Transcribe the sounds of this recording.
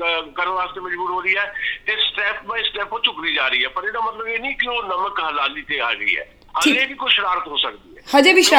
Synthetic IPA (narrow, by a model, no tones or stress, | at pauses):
kəɾəʋaːst̪eːməd͡ʒbuːɾɦoːɾiːɛːt̪esʈɛːpmẽsʈɛːpõt͡ʃʊkɾiːd͡ʒaːɾəiːɦɛːpəɾeːd̪aːmət̪ləbeːnĩːkɪoːnəməkɦəlaːliːt̪eːaːɡəḭːɦɛ̰ː | əiːd͡ʒeːbʱiːkʊʃɾaːɾət̪ɦoːsək̚d̪iːɛːhə̃d͡ʒeːbiːʃɾa